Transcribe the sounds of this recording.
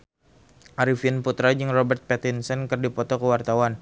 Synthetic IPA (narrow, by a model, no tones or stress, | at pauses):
ʔaɾifiənput̪ɾad͡ʒɨŋrɔbɛrt̪̚pɛt̪insənkərdipɔt̪ɔkəwart̪awan